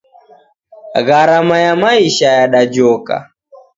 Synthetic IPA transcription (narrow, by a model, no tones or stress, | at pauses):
ɣaɾamajamaiʃajaɗad͡ʒɔka̰